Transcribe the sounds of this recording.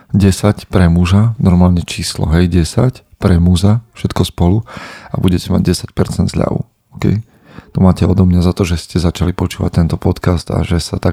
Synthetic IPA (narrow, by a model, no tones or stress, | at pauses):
ɟɛsacpɾɛmuʒanɔɾmaːlɲɛt͡ʃiːslɔ̰ɦɛjɟɛsac | pɾɛmuzafʃɛt̪kɔspɔlua̰buɟɛcɛma̰ɟ̚ɟɛsac̚pɛɾt͡sɛnd̪zʎa̰ʋṵ | ɔkɛ̰j | t̪ɔmaːcɛɔd̪ɔmɲazat̪ɔʒɛscɛzat͡ʃalipɔt͡ʃuːʋa̰c̚t̪ːɛnt̪ɔpɔt̪kast̪a̰ʒɛsat̪a